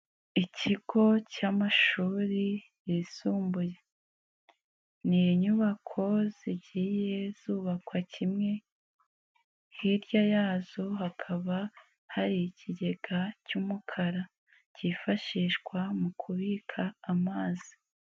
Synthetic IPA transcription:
icʰiɡ̥o̞caːmaʃuːɾi | jisuːmbuje | nijeɲuβakʰo̞z̥iɟiːje̞z̥uːβakwacimŋe̞ | hiɾjajaːzo̞ɦakʰaβa | haɾicʰiɟe̞ɡacumukʰaɾa | cifaʃiːʃkwamukʰuβikʰaːmaːzi̥

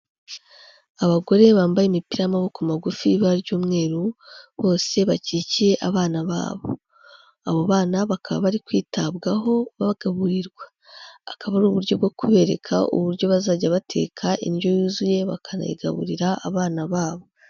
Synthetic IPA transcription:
aβaɡo̞ɾe̞βaːmbajemipiɾamaβokumaɡufiβaɾɟuːmŋe̞ːɾuβo̞ːse̞βaciciɾe̞ʔaβaːnaβa̰ːβo̞̰ | aβoβaːnaβakʰaβa̰βaɾikwiːtabɡaɦo̞βaβaɡ̥aβuɾiɾɡwa | akaβaɾuːβuɾɟo̞bɡo̞kʰuβe̞ɾḛkʰa̰ʔṵβuɾɟo̞βazaːɟaβatʰe̞̰ːkʰaʔḭnɟo̞juːzuje̞βa̰kʰanḛɡa̰βṵɾiɾaa̰βaːnaβaːβo̞

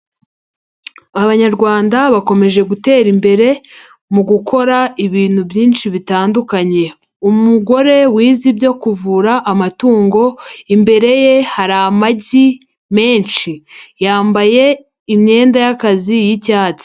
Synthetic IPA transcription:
aβaɲaɾɡwaːndaβako̞me̞ʒe̞ɡute̞ːɾimbe̞ɾe̞ | muɡukʰo̞ɾaiβiːn̥hubjiːnʃiβitaːndukaɲe̞ | umuɡo̞ɾe̞wiːzibjo̞kuvuɾaʔːmatuːŋɡo̞imbe̞ɾe̞je̞haɾamaɟi | me̞ːnʃijaːmbaje̞ | imɲe̞ːndajakazijicaːt͡si̥

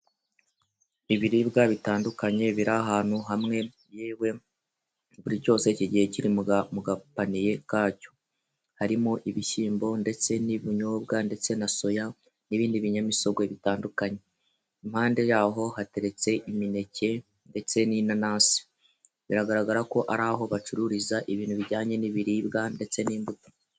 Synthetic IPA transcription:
iβiɾibɡaβitaːndukaɲe̞βiɾaɦaːn̥huɦamŋe̞ | jewe̞ | βuɾiɾco̞ːse̞ciɟihe̞ciɾimmuɡapanije̞kaːco̞̥ | haɾimoʔiβiʃiːmbo̞nde̞t͡se̞niβiɲoːbɡande̞t͡se̞naso̞ja | niβiːndiβiɲamiso̞ɡwe̞βitaːndukaɲe̞ | imhaːnde̞jaːɦo̞hate̞ɾe̞t͡se̞ʔimine̞ce̞ | nde̞t͡se̞ninanaːsi̥ | βiɾaɡaɾaɡaɾako̞ʔaɾaːɦo̞βat͡ʃuɾuɾizaʔiβiːn̥huβiɟaːɲe̞niβiɾiβɡande̞t͡se̞niːmbuto̥

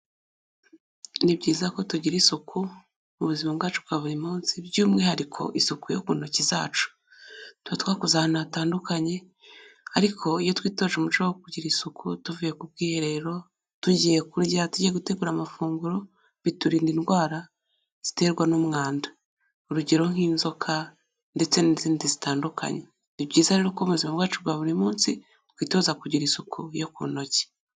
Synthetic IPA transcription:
nibɟiːzako̞tuɟiɾisukʰu | uβuzimabɡaːt͡ʃutkaβoɾimuːnsibɟuːmŋe̞haɾikʰo̞̰ʔisukujokunociza̰ːt͡ʃu̥ | twatwaːkuzahnataːndukaɲe̞ | aɾikʰo̞ijo̞twiːto̞ːʒumut͡ʃawokuɟiɾisukʰutuvijekub̚ɡiːhe̞ɾe̞ɾo̞ | tuɟijekuɾɟatuɟieɡuteɡuːɾamafuːŋɡuɾo̞ | βituɾiːndinɡwaːɾa | z̥i̥te̞ːɾɡwanomŋaːndḁ | uɾuɟeɾo̞ŋ̥hiːnzo̞kʰa | nde̞t͡se̞niziːndizitaːndukʰa̰ɲe | nibɟiːzahɾeɾokoβmuuzimaβbwaːt͡ʃuɡwaβuɾimuːnsi | twiːto̞zakuɟiɾisukujokṵːno̞ce̥

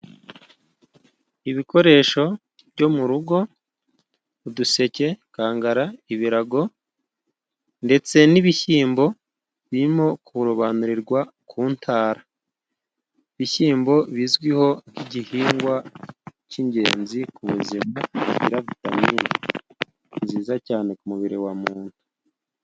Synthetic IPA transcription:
iβiko̞ɾe̞ːʃo̞ | βɟo̞muɾuɡo̞ | uduse̞ce̞kaːŋɡaɾaiβiɾaɡo̞ | nde̞t͡se̞niβiçiːmbo̞ | βiɾimo̞kuuɾoβanuɾiɾɡwa | kʰuːntʰaːɾa | iβiçiːmbo̞βiːzɡwiho̞ŋ̥hiɟihiːŋɡwaciɲɟe̞̰ːnzikuβuzimacḭɾaβitamiɾa | nziːzacaːne̞kumuβiɾiwamuːntu̥

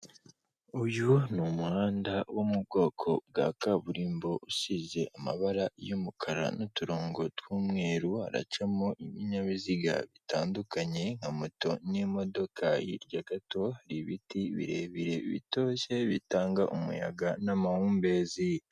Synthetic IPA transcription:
ujunumuhaːndawomubɡo̞ːkʰo̞b̚ɡaːkaβuɾiːmbo̞ʔusize̞ʔama̰βaɾajomukʰaɾa̰nutuɾo̞ːŋɡo̞twuːmŋe̞ːɾuha̰ɾa̰t͡ʃamoʔiβiɲaβiziɡa̰βitaːndukaɲe̞ŋ̥hamoto̞nimo̞do̞kʰajiɾɟaɡato̞haɾiβitiβḭɾe̞βiɾe̞βḭto̞ːɕe̞βitaːŋɡaʔumṵja̰ɡanamahuːmbe̞ːzi

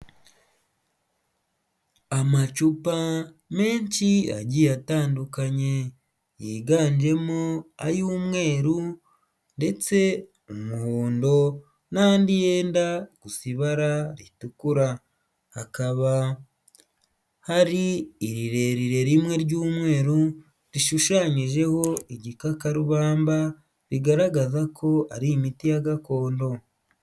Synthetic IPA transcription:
amat͡ʃupa | me̞ːɲt͡ʃia̰ɟijataːndukaɲe̞ | jiːɡaːɲd͡ʒe̞moa̰juːmŋe̞ːɾu | nde̞t͡se̞ | omuhuːndo̞ | naːndijeːndakusiβaɾaɾitukuɾa | hakaβa | haɾiːɾiɾe̞ɾiɾe̞ɾimŋe̞ɾɟuːmŋe̞ːɾu | ɾiʃuʃaːɲiʒe̞ho̞iɟikakaɾuβaːmba | ɾiɡaɾaɡazakʰo̞aɾimitijaɡako̞ːndo̞

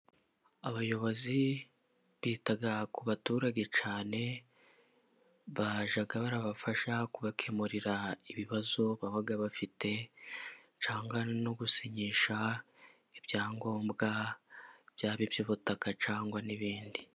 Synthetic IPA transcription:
aβajo̞βo̞zi | βiːtaɡakuβatuːɾaɟe̞t͡ʃaːne̞ | βaʒaɡaβaɾaβafaʃakuβakʰe̞muɾiɾaiβiβazoβaβaɡaβafite̞ | t͡ʃaːŋɡwano̞ɡusiɲiʃa | ibjaːŋɡo̞ːmbɡa | bjaːβibjoβutakat͡ʃaːŋɡwaniβiːndi

